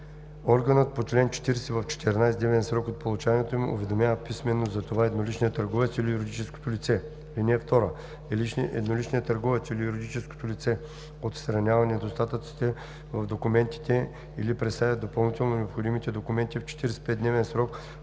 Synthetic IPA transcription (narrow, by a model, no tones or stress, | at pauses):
ɔɾɡɐnət̪̚pot͡ʃlɛnt͡ʃɛ̥t̪iɾɛsɛvɐft͡ʃɛ̥t̪ɛɾnajsd̪ɛvɛnsɾɔkot̪̚polˠut͡ʃanʲiɛt̪omiṵvɛd̪omʲjavəpismɛnːozzɐt̪ovaɛd̪nolit͡ʃniət̪ɐɾɡɔvɛt̪silijuɾʲid̪it͡ʃɛsko̥t̪olit̪sɛ | linɛːft̪ɔɾə | ɛlit͡ʃnʔɛ̰d̪nolit͡ʃnijət̪ɐɾɡɔvɛt̪silijuɾʲid̪it͡ʃɛsko̥t̪olit̪sɛ | ot̪sɾɐnʲavɐnɛd̪ost̪at̪ət̪si̥t̪ɛ | vɐvd̪okumɛnt̪i̥t̪ɛ | ḭlipɾɛt̪st̪avʲəd̪opɐlˠnit̪ɛlˠnonɛopxod̪imit̪ɛd̪okumɛnt̪ift͡ʃɛ̥t̪iɾɛsɛ̥pɛt̪d̪nɛvɛnsɾɔk